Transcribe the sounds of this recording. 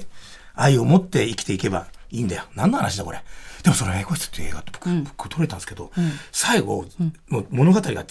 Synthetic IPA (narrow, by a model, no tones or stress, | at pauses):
aio̞mo̞t̪ːe̞ikʲi̥t̪e̞ike̞ba̰iːnd̪ajonãnːahanaɕid̪ako̞ɾʔed̪̥e̞mosoɾeɡaikoɕʲi̥t̪ɨ̥t̪ːeːɡat̪ːeb̥o̥kbɯ̥kʰːɯt̪ʰoɾet̪ãnd̪sɨ̥ke̞d̪o̞saiɡo̞̰moːmo̞no̞ɡat̪aɾiɡa̰